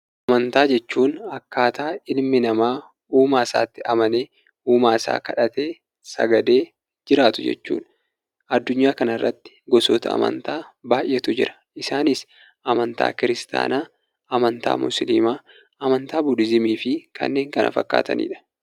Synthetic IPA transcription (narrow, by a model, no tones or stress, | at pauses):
ʔʔɐmɐnt̪aːd͡ʒɛt͡ʃːuːnɐkːaːt̪aːɪlmɪnɐmaː | uːmaːɪsa̰ːt̪ːɪɐmɐneː | uːmaːɪsa̰ːkɐᶑɐt̪e̞ː | sɐ̰ɡɐd̪e̞ː | d͡ʒɪɾaːt̪ʊd͡ʒɛ̰t͡ʃːṵːᶑ | ʔɐd̪ːʊɲːaːkɐnɐrːɐt̪ːɪ̥ɡɔsoːt̪ʰɐ̰ɐ̰mɐ̰nt̪aːbaːʔːɛt̪ʊd͡ʒɪɾɐ̥ʔɪsaːnɪs | ʔɐmɐnt̪a̰ːkɪɾɪst̪a̰ːnaː | ʔɐmɐnt̪a̰ːmʊ̰slḭmaː | ʔɐmɐnt̪aːbʊdɪzɪmiːfɪkʰɐ̰nːe̞ːŋkɐnʔɐ̰fɐ̰kːa̰ːt̪ɐ̰nḭːᶑɐ̥